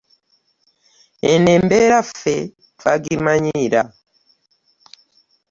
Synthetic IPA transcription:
ɛnɛmbɛɾafɛ | taɡimaɲiɾa

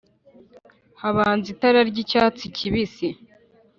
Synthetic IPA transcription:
haβaːnzitaɾaɾɟicaːt͡sicʰiβisi

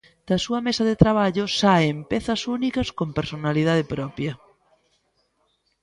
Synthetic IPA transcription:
d̪̥ɐsuɐmesɐðet̪ɾaβ̞aʎʊsaempeθɐsunikɐskompeɾsonaliðaðepɾɔpjɐ

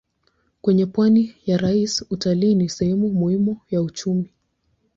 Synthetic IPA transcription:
kwɛɲɛpwanijaɾaisutaliːnisɛhɛmumuhimujaut͡ʃumi

